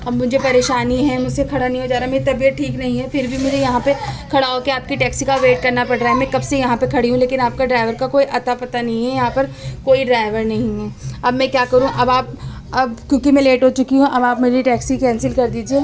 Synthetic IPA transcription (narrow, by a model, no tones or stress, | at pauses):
ɐbmʊd͡ʒʱepɐɾeːʃaːniɦɛ̃mʊd͡ʒʱsekʰɐɽanɐɦĩɦod͡ʒaːɾameit̪ɐbijət̪̚ʈʰiːknɐɦĩɦɛfɪɾbʱimʊd͡ʒʱejɐɦãpekʰɐɽaːokeaːp̚kiʈɛːksikaʋeːʈ̚kɐɾnapɐɽɾaːɦɛmɛ̃kɐbsejɐɦãpekʰɐɽiɦũleːkɪnaːp̚kaɖɾaːɪʋəɾkakoːiʔɐt̪apɐt̪anɐɦĩɦɛjɐɦãpɐɾkoːiɖɾaːɪʋəɾnɐɦĩɦɛːɐbmɛ̃kjaːkɐɾũʔɐbaːp̚ | ɐbkjõːkimɛ̃leːʈɦot͡ʃʊkiɦũʔɐbaːpmeːɾiʈɛːksikɛ̃ːnsɪlkɐɾd̪iːd͡ʒieː